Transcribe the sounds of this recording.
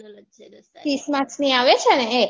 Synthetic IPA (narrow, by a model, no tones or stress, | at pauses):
t̪ismãt͡ʃniaʋet͡ʃʰeənee